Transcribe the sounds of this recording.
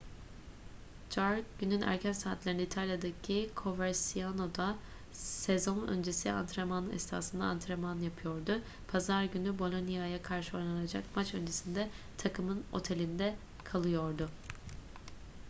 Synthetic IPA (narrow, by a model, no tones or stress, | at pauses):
d͡ʒaɾɟ̥ynynʔæ̰ɾcʰænsaːt̪lʲeɾnit̪ʰalʲjad̪acʰikʰo̞vaɾsijano̞d̪a | sezo̞nø̞̰nd͡ʒe̞sia̰nt̪ʰɾemanɯnɛ̰st̪ʰa̰ːsɯnd̪a̰ːnt̪ɾemanjapʰɯjo̞ɾd̪ʊ | pʰazaɾɟynybo̞lʲˠo̞nijajakʰaɾʃɯo̞jlˠanad͡ʒa̰kmat͡ʃø̞̰nd͡ʒesind̪ɛ | t̪ʰakʰɯmɯno̞̰t̪ʰe̞lʲind̪ɛ | kʰalˠɯjo̞ɾd̪ʊ